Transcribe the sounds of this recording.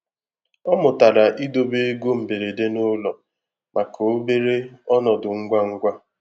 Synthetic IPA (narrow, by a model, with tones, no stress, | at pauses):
ɔ˦mʊ˨ta˨ɾa˨ʔi˦do˨be˦e˦ɡo˦m̩˨be˨ɾe˨de˦nʊ˦lɔ˨ | mʔa˨ko˨o˦be˦ɾe˦ɔ˦nɔ˨dʊ˨ŋ̩˦ɡʷa˦ŋ̩˦ɡʷa˦